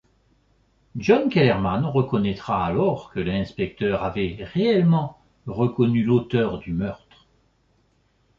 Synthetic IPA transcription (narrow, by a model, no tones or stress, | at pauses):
ʒɔnkʲɛlɛʁmanʁəkɔnɛt̪χaːlɔʁkəlɛ̃spɛk̚t̪œʁavɛʁeɛlmɑ̃ | ʁəkɔnylot̪œʁd̪ymœʁt̪χ